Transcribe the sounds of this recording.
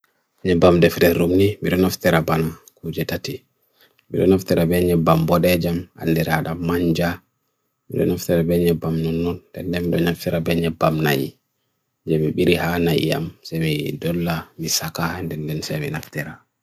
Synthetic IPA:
ɲɛbamdɛfdɛɾumnimiɗɔnɔftɛɾabanakud͡ʒɛtati | miɗɔnaftɛɾabɛɲɛbambɔɗɛd͡ʒama̰ldiɾaɗamːaɲd͡ʒa | mḭɗɔ̰nɔftɛɾabɛɲɛbamnɔnːɔndɛndɛnmiɗɔnaftɛɾabɛɲɛbamnajḭ | d͡ʒɛmiɓiɾihanajḭja̰msɛmidɔlːamisakandɛndɛnsɛminaftɛɾa

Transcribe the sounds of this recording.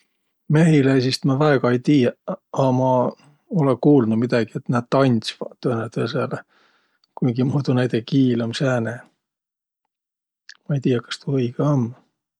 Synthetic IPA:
me̞ɦileesist̪mɑvæeɡ̥ɑejt̪iːjɑɑmɑ | olekuːlnumid̪ɑɡ̥iet̪næːd̪̚t̪ɑnʲsvɑt̪ːønet̪esele | kujɡimuːd̪unæjd̪ekiːlomsæːne | mɑejt̪iːjɑkɑ̥st̪uɤjɡ̥eom

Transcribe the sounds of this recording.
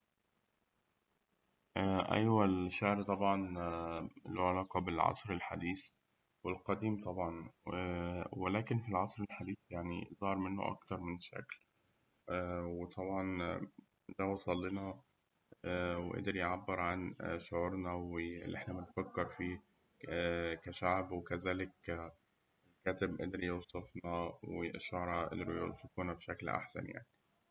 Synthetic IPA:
ʔæʔæ̰jwælʃaʕɾt̪ˤɑbʕɑn | loʕelɑːqɑbelʕɑ̰sˤɾelħa̰d̪iːs | welqɑd̪iːmt̪ˤɑbʕɑn | welæːkenfilʕɑsˤɾelħad̪iːθjaʕnḭzˤɑːɾˤmenːo̰ʔɑ̰kt̪ɑɾˤmenʃæ̰kl | wet̪ˤɑbʕɑn | d̪æwɑsˤɑlːenɑ | ʔæwḛʔḛd̪ɾjeʕabːeɾʕanʃoʕuːɾnɑweḛlːʔḛħnæbenfækːeɾˤfiː | kæʃaʕbwekæzæːlek | kæːt̪ebʔḛd̪ɾijewsˤɑfnɑwḛʃoʕɾˤɑʔḛd̪ɾjot̪ækuːnæbʃæklʔa̰ħsæ̰nja̰ʕni

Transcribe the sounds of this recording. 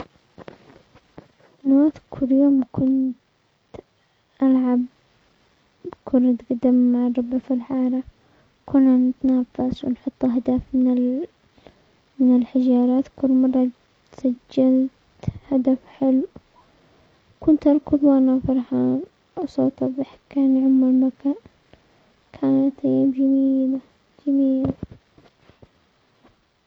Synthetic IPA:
mɑɾˤɑːt̪kʰʊlːjoːmkʊnt̪ | ʔalʕab | kʰʊnːat̪ɡad̪ɪmːaʕrˤːʊbʕafilħɑːɾˤɑ | kʊnːanɪt̪naːfaswnħʊt̪ˤːɦd̪aːfɪnɪ | mɪnɪlħɪd͡ʒɑːɾˤɑːt̪kʊlːmɑrˤːɑ | t̪sad͡ʒːalt̪ | had̪afħɪlu | kʊnt̪ʔɑɾˤkɪðˤwʔanafɑɾˤħaːn | ʔasˤoːt̪ˤɑðˤɑħkːaːnʕʊmːalmakːa | kʰaːnt̪ˤiːbd͡ʒamiiːla | d͡ʒamiːl

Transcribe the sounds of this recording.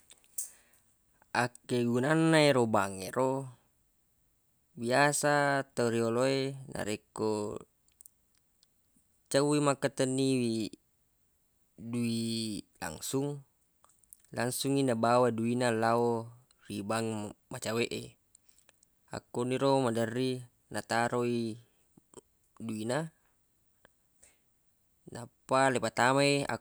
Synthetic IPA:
akːeɡunanːaeɾobaŋḛɾo | biasat̪ːauɾioloenʔa̰ɾekːo | t͡ʃawwimakːat̪ənːiwi | duila̰ŋsuŋ | laŋsuŋinabawaduinalao | ribaŋmat͡ʃaweʔḛ | a̰kːoniɾomadərːi | nat̪aɾoi | duina | napːalepat̪amaea̰

